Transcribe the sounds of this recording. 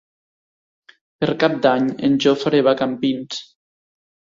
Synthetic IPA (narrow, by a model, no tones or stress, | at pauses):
peɾkap̚d̪aɲenʒofɾeβakampins